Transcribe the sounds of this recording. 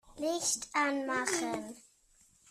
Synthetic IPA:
lɪçtanmaχən

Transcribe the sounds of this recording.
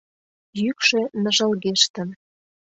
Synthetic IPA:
jykʃĕnə̆ʒə̆lɣeʃt̪ə̆n

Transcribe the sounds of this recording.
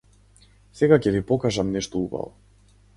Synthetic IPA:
sɛɡacɛvipɔkaʒamnɛʃt̪ɔuba̰vɔ

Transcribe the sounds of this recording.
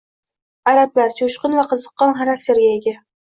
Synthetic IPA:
aɾaplaɾt͡ʃʰoʃqɨnvaqʰɨzɨqːɒnχaɾakt̪ʰe̞ɾɡʲaeɡʲa

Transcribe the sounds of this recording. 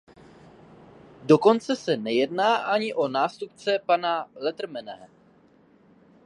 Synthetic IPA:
do̞ko̞nt͡sɛsɛnɛjɛdnaːʔaɲɪʔo̞naːst̪up̚t͡sɛpanalɛt̪r̩mɛnɛ

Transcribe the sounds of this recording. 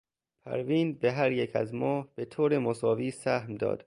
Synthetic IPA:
pʰæ̰ɾviːnbe̞ɦæɾjecʰæ̰zmɒːhb̥e̞t̪ʰoːɾemosɒːviːsæhmd̪ɒ̰ːd̪̥

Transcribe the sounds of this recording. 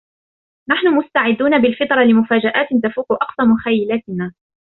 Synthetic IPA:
naħnʊmʊst̪aʕɪd̪ːuːnabɪlfɪt̪ˤɾˤɑlɪmʊfaːd͡ʒaʔaːt̪t̪afuːqʊʔɑqsˤɑmʊxajːɪlaːt̪ɪnaː

